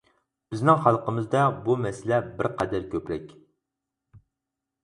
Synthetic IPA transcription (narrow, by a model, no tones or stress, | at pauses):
b̥ɪznɪŋχɑlˠqəmɨzd̪ɛbumɛsɪlɛbɪɾqæd̪æɾkʲʰøpɾɛkʲ